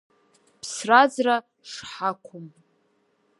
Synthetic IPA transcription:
pʰsrad͡zra | ʂħakʷʰʊm

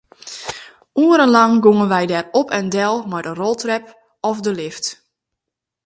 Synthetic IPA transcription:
ʔuəɾənlaŋɡuŋənʋɛjdɛrɔpʰɛndɛlˠmajdərolˠtrɛp̚ | ɔfdəlɪft

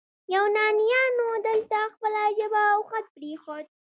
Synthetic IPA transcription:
jawnɑnijɑnod̪əlt̪axpəlaʒəbaːwxat̪̚pɾexod̪̚

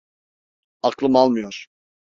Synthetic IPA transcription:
ɑklˠɯmalˠmɯjoɾ̥

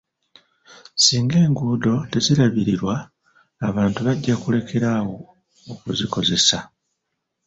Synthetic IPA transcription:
siːŋɡe̞ːŋɡuːdo̞te̞ziɾaβiɾiɾwaː | βaːntuβaɟːakule̞kʰe̞ɾawo̞ː | kuziko̞ze̞sa

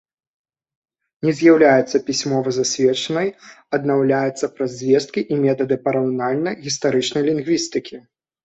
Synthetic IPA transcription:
nʲɛzʲjawlʲajɛt̪sɐpʲisʲmɔvɐzasʲvʲɛt͡ʂɐnɐj | ɐd̪nawlʲajɛt̪sːɐpɾɐzʲzʲvʲɛst̪̚kʲiʔimʲɛt̪ɐd̪ɨpɐɾɐunalʲnɐjɣʲist̪aɾɨt͡ʂnɐjlʲinɣvʲist̪ɨkʲi

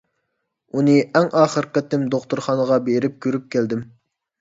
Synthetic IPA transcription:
unɨɛŋɑːχəɾəqət̪ːɪmd̪oχt̪uɾχɑːnəʁɑbeɾɪp̚kʲøɾyp̚kʲʰæld̪ɪm

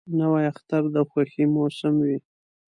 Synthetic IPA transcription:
nawajaxt̪aɾd̪axwaximosɪmwi

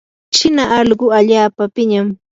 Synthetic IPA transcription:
ʃɪnaʔɑʎɢʊaʎaːpapɪɲam

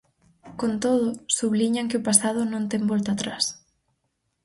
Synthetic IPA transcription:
kont̪oð̞ʊsuβliɲaŋkɪʊpasaðʊnõnt̪ɛŋbɔlt̪aːt̪ɾas

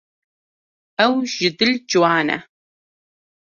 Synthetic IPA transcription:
ɐwʒ̥ɪd̪ɨld͡ʒwɑːnɐ̰

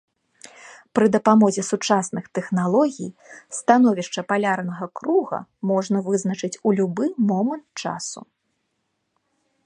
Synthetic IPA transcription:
pɾɨd̪ɐpamɔzʲɛsut͡ʂasnɨxt̪ɛxnalˠɔɣʲijst̪anɔvʲiʂt͡ʂɐpalʲarnɐɣɐkɾuɣɐ̰mɔʐnɐvɨznɐt͡ʂɨt͡sʲulʲubɨmɔmɐnt̪̚t͡ʂa̰sṵ

